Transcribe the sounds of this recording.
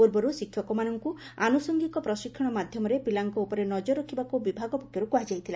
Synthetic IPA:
uɾbɔɾusikʰːjɔkɔmanɔŋkuanusɔŋɡikɔpɾɔsikʰːɔɽ̃ɔmad̪ʱjɔmɔɾepilaŋkɔupɔɾenɔd͡ʒɔɾɔkʰibakubibʱaɡɔpɔkʰjɔɾukuad͡ʒajt̪ʰila

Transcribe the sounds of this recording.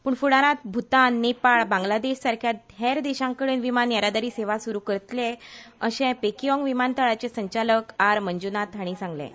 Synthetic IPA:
puːɳfuɽaɾãt̪̚bʱut̪anːepaɭbãŋɡlad̪eɕsaɾkʰjat̪̚ɦeɾd̪eɕãŋkəɽenʋimanjaɾad̪aɾiːseʋasuɾukəɾət̪leəɕẽpekiɔ̃ŋɡʋimant̪əɭat͡ɕesəɲt͡ɕaləkaɾməɲd͡ʑunat̪aɽ̃isãŋɡlḛ̃

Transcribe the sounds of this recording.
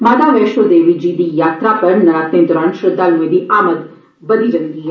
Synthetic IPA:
maːd̪aːʋɛːʃʋod̪eːʋid͡ʒiːd̪iːjaːt̪ɾapɐɾnɐɾaːt̪ẽnd̪ɔɾãːnʃɾɪd̪ːaːlũẽd̪iʔaːməd̪ | bɐd̪iɾɐ̃nd̪iɦɛ

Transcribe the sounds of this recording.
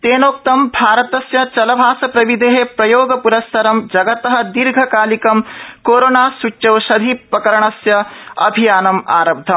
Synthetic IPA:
t̪eːnoːk̚t̪ɐmbʱaːɾɐt̪ɐsjɐt͡ʃɐlɐbʱaːsɐpɾɐʋid̪ʱeɦepɾɐjoːɡɐpuɾɐst̪ʰɐɾɐmd͡ʒɐɡɐt̪ɐɦɐ̆d̪iɾɡʱɐkaːlikɐmkoːɾoːnaːsut͡ʃːt͡ʃɐwʃɐd̪ʱipɾɐkɐɾɐɳɐsjɐɐ̰bʱijaːnɐma̰ːɾɐb̚d̪ʱɐm

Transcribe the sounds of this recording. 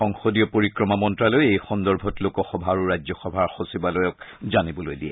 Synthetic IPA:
ɔŋxodiɔpoɹikɹɔmamɔntɹalojejxɔndɔɹbʱɔtlokɔxɔbʱaːɹuɹajzɔxɔbʱaɹxosibalojɔkzanibɔlojdiɛ̰

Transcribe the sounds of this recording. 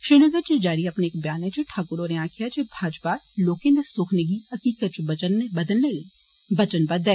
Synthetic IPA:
ʃɾiːnəɡəɾt͡ʃed͡ʒaːɾiɐpneːk̚bjaːnɦɛ̃d͡ʒoʈʰaːkʊɾoɾẽãːkʰijat͡ʃebʱaːd͡ʒpaːloːkẽnɐsʊːkʰneɡiɦɐkiːkət̪̚t͡ʃbɐt͡ʃənːebɐd̪əlneliː | bɐt͡ʃənbɐd̪ɛ

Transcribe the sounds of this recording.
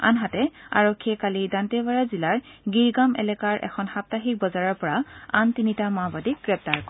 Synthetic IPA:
a̰nɦatɛa̰ɹɔkʰːiɛkalidantɛbaɹazilaɹɡiɹɡamɛ̰lɛkaɹʔɛ̰kʰɔnxap̚taxik̚bɔzaɹɔɹpɔɹaantinitamabadik̚ɡ̥ɹɛp̚taɹkɔ

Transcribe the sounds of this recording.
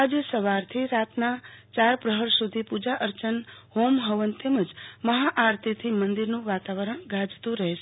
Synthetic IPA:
ad͡ʒsəʋaɾt̪ʰiɾat̪nat͡ʃaɾpɾəɦəɾsud̪ʱipud͡ʒaʔəɾt͡ʃənhomɦəʋənt̪eməd͡ʒməɦaʔaɾt̪ʰit̪ʰimənd̪iɾnũʋat̪aʋəɾəɳ̃ɡʱad͡ʒt̪ũɾəɦeʃe

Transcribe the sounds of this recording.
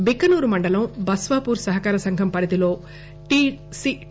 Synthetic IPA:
bikːɐnuːɾumɐɳɖɐlɐmbɐsʋaːpuːɾsɐɦɐkaːɾɐsɐŋɡʱɐmpɐɾid̪ilo̞ː | ʈisi

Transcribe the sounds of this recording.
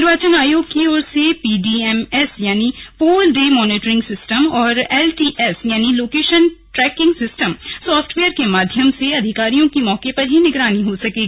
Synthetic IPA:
ɪɾbaːt͡ʃənaːjoːɡ̚kioːɾsepiːɖiɛmɛsjaːnipoːlɖeːmɔːneːʈɾɪ̃ŋɡsɪsʈəmɔːɾɛːlʈiːʔɛsjaːniloːkeːʃənʈɾɛːkɪ̃ŋɡsɪsʈəmsɔːfʈʋeːəɾkemaːd̪ʱjəmseɐd̪ʱɪkaːɾijõkimɔːkepɐɾɦinɪɡɾaːniɦosɐkeːɡi

